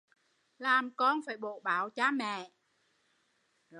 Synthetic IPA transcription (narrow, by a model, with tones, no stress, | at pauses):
laː˨˩mkɔ˧nfaː˧˩jɓo˧˨˩ɓaː˧˨˩wt͡ɕaː˧mɛ̰˧˨